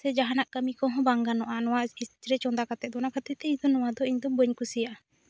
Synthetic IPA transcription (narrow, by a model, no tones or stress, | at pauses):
sɛd͡ʒaɦanaʔkəmikɔɦɔ̃baŋɡanɔʔanɔwait͡ʃɾɛt͡ʃɔnd̪akat̪ɛt̪̚d̪ɔnakat̪ɛt̪ɛiɲd̪ɔnɔwad̪ɔiɲd̪ɔbəɲkusija